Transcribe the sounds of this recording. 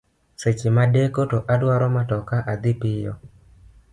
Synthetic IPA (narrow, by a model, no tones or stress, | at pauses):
set͡ʃɪmadekotoʔadwaɾɔmatɔkaʔad̪ɪpɪjɔ̰